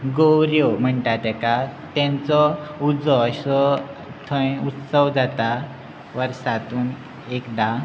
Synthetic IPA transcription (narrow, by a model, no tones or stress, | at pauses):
ɡowɾjom̤əɳʈat̪ɛkat̪ɛ̃nt͡sɔud͡zɔɕsɔ | t̪ʰə̃jut̪səwd͡zat̪a | ʋəɾsat̪uːn | ekd̪a